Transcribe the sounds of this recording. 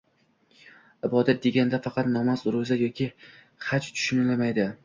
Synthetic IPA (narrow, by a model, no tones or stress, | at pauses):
ɪbɒd̪at̪̚d̪e̞ɡʲanɪd̪afɑqʰɑt̪nɒmazʊɾʊzajɒkʲʰɪ | χat͡ʃt̪ʰʊ̥ʃʊnɪlamajd̪ɪ